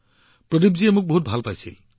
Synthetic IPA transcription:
pɾɔdip̚d͡ʒiemuk̚boɦut̪̚bʱalpajt͡ʃʰḭ

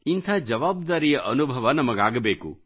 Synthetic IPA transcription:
int̪ʰaːd͡ʒɐʋaːb̚d̪aːɾijɐʔɐnubʱɐʋɐnɐmɐɡaːɡɐbeːkṵ

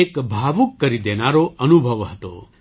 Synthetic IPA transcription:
ekbʱaʋukːəɾid̪enaɾoʔənubʱəʋɦət̪o̰

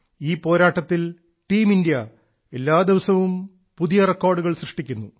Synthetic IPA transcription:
iːpo̞ːɾaːʈːɐt̪ːil | ʈiːmindijɐ | e̞lːaːd̪iʋɐsɐʋum | puðijɐrekːoːrɖuɣɐɭsrɨʂʈikʲːunːu

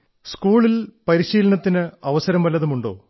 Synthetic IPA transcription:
skuːɭilpɐɾiɕiːlɐɳɐt̪ːinɨɐʋɐsɐɾɐmʋɐlːɐðumuɳɖo̞̰ː

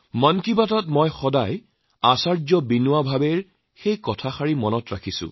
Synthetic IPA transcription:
mɔnkibatɔtmɔjxɔdaj | asaɹzɔbinuabʱabeɹ | xejkɔtʰaxaɹimɔnɔtɹakʰisʊ̰̃

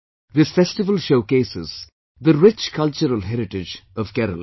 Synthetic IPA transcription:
ðɪsfɛsʈɪʋəlʃoʊkeːsɪz̥ | d̪əɾɪt͡ʃkʰʌlt͡ʃəɾəlɦɛɾɪʈɪd͡ʒɔv̥kɛɾə̰l

